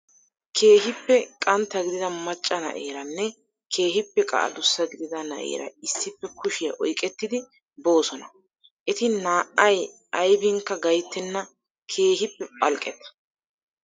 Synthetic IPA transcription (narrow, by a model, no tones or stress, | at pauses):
kʰe̞ːɦɪpːɛkʼɐnt̪ːɐɡɪd̪ɪd̪ɐmɐt͡ʃʼːɐnɐ̰ʔeːɾɐnːɛ | kʰe̞ːɦɪpːɛkʼɐ̰ʔɐ̰d̪ʊsːɐɡɪd̪ɪd̪ɐnɐ̰ʔḛːɾɐ̰ɪsːɪpːɛkʊʃɪjɐʔɔjkʼɛt̪ːɪd̪ɪ | bo̞ːsɔnɐ | ʔɛt̪ɪnaːʔɐj | ɐjbɪŋkːɐɡɐjt̪ːɛnːɐ | kʰe̞ːɦɪpːɛpʼɐlkʼɛt̪ɐ̥